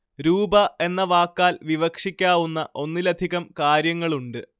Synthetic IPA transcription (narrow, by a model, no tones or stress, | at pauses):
ɾuːbɐe̞nːɐʋaːkːaːlʋiʋɐkʂikʲːaːʋunːɐʔo̞nːilɐd̪ʱiɣɐmkaːɾjɐŋːɐɭuɳɖɨ